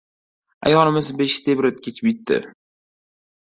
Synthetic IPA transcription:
a̰jɒnɪmɪzbeʃt̪ʰebɾɪt̪̚kʲʰet͡ʃʰɪ̥p̚jɪt̪ːɪ̰

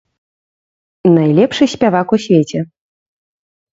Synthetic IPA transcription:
najlʲɛpʂɨsʲpʲavakusʲvʲet͡sʲɛ

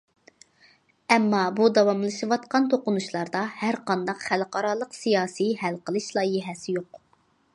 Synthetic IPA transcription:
ɛmːɑbud̪ɑwɑmlˠɨʃɨwɑt̪qɑnt̪ʰoqʊnuʃlˠɑɾd̪ɑhæɾqʰɑnd̪ɑqχælqʰɑɾɑlˠəqsijɑːsihælqʰəlˠɨʃlˠɑːjiɦɛsɪjoq

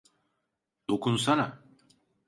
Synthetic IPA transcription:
d̪̥o̞kʰunsana

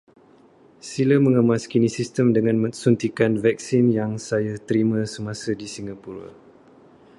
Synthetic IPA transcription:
siləmə̃ŋəmaskinisist̪əmdəŋãnmə̃ŋsunt̪ikanvɛk̚sinjaŋsajat̪əɾimãsəmãsadisiŋɡapuɾa̰

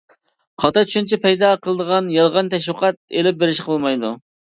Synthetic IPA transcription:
qʰɑt̪ɑt͡ʃʰy̥ʃint͡ʃʰipʰɛjd̪ɑqʰəlˠəd̪əʁɑnjɑlˠʁɑnt̪ʰɛʃwʊqʰɑt̪̚ḛlɪp̚beɾɪʃqʰəlˠmɑjd̪u

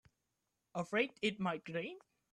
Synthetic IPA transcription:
əfɹeɪdɪt̚maɪt̚ɡ̥ɹẽɪn

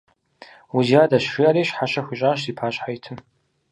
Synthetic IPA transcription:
uzadaʃʂiaɾeʃħaʃaxʷiɕʼaʃipʰaɕħajtʰɨn

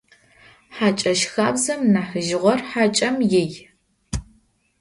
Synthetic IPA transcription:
ħat͡ʃʼɐʃxaːbzɐmnaːħəʒɪʁʷɔrħaːt͡ʃʼɐmjɪj

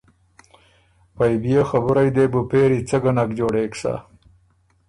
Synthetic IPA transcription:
pajbijexabuɾajd̪eːbupeːɾit͡sɐɡanakd͡ʒoːɽeːksa̰

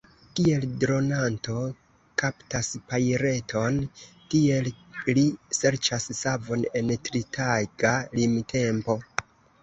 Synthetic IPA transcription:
tie̞ldɾo̞nanto̞ | kaptaspajɾe̞tʰo̞ntie̞llise̞ɾt͡ʃassavo̞ne̞ntɾitʰaɡ̥alimtʰe̞mpo̞

